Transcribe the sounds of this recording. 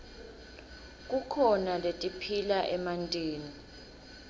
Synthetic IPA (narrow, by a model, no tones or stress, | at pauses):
k̬ʼukʰɔnaletʼipʰilaʔɛmantʼeːni